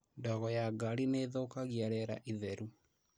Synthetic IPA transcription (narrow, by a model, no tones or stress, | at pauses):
ndɔɣɔjaɡaɾineðokaɣjaɾɛɾa̰ʔiðɛɾu